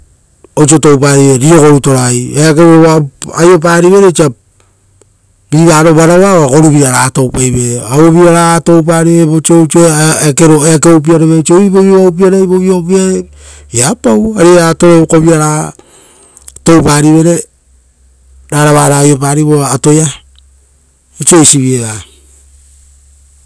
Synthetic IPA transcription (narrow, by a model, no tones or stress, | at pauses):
ot͡ʃotowp̬aɾiβeɾio̞ko̞ɾuto̞ɾajeak̬eβoβaajop̬aɾiβe̞ɾet͡ʃiap̚ | biɾaːɾoβaɾaβaako̞ɾuβiɾaɾatowpajβe̞aβoβiaɾato̞wp̬aɾiβeβot͡ʃot͡ʃoekeɾoekeop̬iaɾeβet͡ʃoiβoβioawp̬iaɾaiβoβiop̬iaɾe | apawaɾeatoɾoβokoβiaɾa | to̞wp̬aɾiβe̞ɾe̞ | ɾaɾaβaɾajop̬aɾiβoato̞ja | it͡ʃojsiβieβa